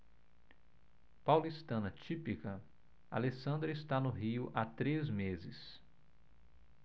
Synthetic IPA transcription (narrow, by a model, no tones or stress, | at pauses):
pawlist̪ɐ̃nɐt͡ʃipikɐ | a̰lesɐ̃nd̪ɾɐɪst̪anʊɦiʊʔat̪ɾezmezɪs